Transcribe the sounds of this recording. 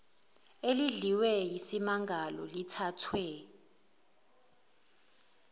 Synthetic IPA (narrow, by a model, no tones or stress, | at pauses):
eliɮiwɛjisimaŋɡʱalɔlitʰatʰwɛ